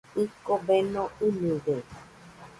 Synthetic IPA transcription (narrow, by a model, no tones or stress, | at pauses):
ikobenõɨnĩde